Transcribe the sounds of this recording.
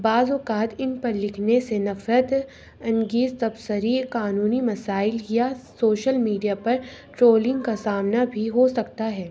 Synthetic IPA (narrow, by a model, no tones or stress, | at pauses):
baːzokaːt̪ɪnpɐɾlɪkʰnesenɐfɾət̪ | ɐ̃nɡiːzt̪ɐbsəɾikaːnuːnimɐsaːɪljasoːʃəlmiːɖijapɐɾʈɾoːlɪ̃ŋɡkasaːmnabʱiɦosɐkt̪aɦɛː